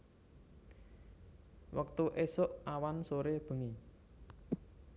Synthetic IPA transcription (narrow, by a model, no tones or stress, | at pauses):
wək̚t̪uʔesʊʔawansoɾeb̥ə̤ŋi